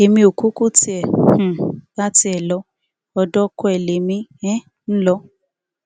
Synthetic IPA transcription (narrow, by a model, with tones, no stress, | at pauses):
e˨mĩ˧o˨ku˦ko˦ti˦ɛ˨h̩˨la˦ti˧˦ɛ˨lɔ˨˧˦ | ɔ˧dɔ˦ko˦ɛ˨le˨˦mĩ˧ɛ̃˦ | n̩˦lɔ˦